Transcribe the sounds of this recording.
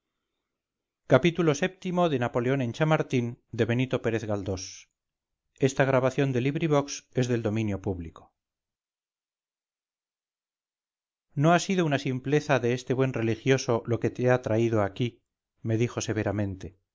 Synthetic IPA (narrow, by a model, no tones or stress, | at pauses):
kapit̪ulo̞se̞p̚t̪imo̞ðe̞napo̞leo̞nẽ̞nt͡ʃamaɾt̪ind̪e̞βe̞nit̪o̞pe̞ɾeθɣald̪o̞s | e̞st̪aɣ̞ɾaβaθjo̞nd̪e̞liβɾiβ̞o̞kse̞zðe̞ld̪o̞mĩnjo̞puβliko | no̞asiðounasimple̞θaðe̞est̪e̞βwe̞nre̞lixjo̞so̞lo̞ke̞t̪eat̪ɾaiðoaki | me̞ðixo̞se̞βe̞ɾamẽ̞nt̪e̞